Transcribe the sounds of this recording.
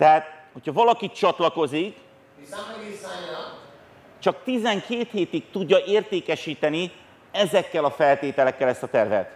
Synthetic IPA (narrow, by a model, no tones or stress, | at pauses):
t̪ɛɦaːt̪ho̞chɒvɒlɒkit͡ʃɒt̪lɒko̞zik | t͡ʃɒk̚t̪izɛŋkʰeːt̪heːt̪ikt̪uɟːɒʔeːrt̪eːkɛʃiːt̪ɛni | ɛzɛkːɛlɒfɛlt̪eːt̪ɛlɛkːɛlɛst̪ɒt̪ɛrvɛ̰t̪